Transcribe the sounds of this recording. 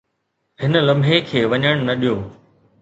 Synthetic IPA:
ɦɪnə̆lɐ̃mbʱekʰeːʋɐɲəɽ̃nɐɗijoː

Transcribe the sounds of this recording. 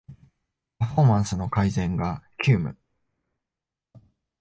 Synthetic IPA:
paɸo̞mãɰ̃sɨno̞kaizẽ̞ŋɡakʲɨːmɯ̟̰

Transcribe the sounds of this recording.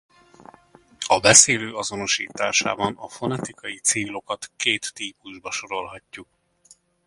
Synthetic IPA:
ɒbɛseːløːɒzo̞no̞ʃḭːt̪aːʃa̰ːbɒnɒfo̞nɛt̪ikɒjit̪seːlo̞kɒt̪keːt̪ːiːpuʒbɒʃo̞ɾo̞lɦɒcːuk̚

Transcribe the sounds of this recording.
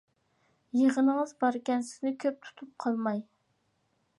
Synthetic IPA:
jəʁənəŋəzbɑɾkʲɛnsɪ̥znɪkʲʰøp̚t̪ʰu̥t̪ʰup̚qʰɑlˠmɑj

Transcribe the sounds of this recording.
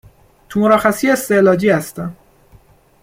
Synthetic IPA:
t̪ʰumoɾɒːxæsiest̪elɒːd͡ʒiːhæst̪æn

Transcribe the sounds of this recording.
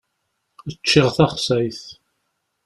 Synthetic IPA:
ət͡ʃːɪʁθæχsæjθ

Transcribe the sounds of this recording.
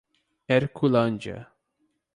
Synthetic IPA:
ɛɾkʰulãnd͡ʒə̰

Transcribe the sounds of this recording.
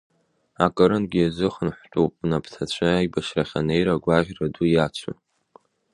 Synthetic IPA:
akʼɨɾɨnɡʲiazɨχənħʷtʷʼuwpʼnapʰtʰat͡ɕʷʰɨajbaʃraχʲanejɾaɡʷaʁʲradujat͡ʃʷʰa̰n

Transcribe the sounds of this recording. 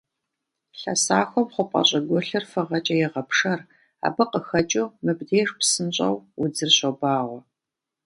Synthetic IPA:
ɬɐ̰saːxʷɔmχʷʊpʷʼɐ̰ɕʼɐɡʷɔɬɨrfɨʁɐt͡ʃʼɐjɛʁɐpʰʂɐr | a̰ːbɨqəxɐt͡ʃʼumɨbdeːʂpsɨnɕʼɐ̰wʊd͡zɨrɕɐbaːʁʷɔ

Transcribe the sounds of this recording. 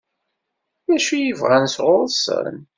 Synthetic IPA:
jæʃujəvʁænsʁʊɾˤsə̰n

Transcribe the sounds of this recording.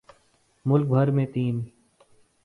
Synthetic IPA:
mʊlk̚bʱəɾmẽːt̪iːn

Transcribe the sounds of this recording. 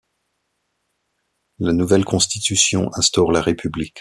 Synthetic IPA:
lanuvɛlkɔ̃st̪it̪ysjɔ̰̃ʔɛ̃st̪ɔʁlaʁepʰyblik

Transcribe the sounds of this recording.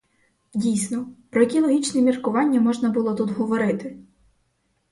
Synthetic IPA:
dʲijsʲnɔpɾɔjɐkʲilˠɔɦʲit͡ʃnɛmʲirkʊʋɑnʲːɐmɔʒnɐbʊlˠɔt̪ud̪ɦɔʋɔɾɪt̪ɪ

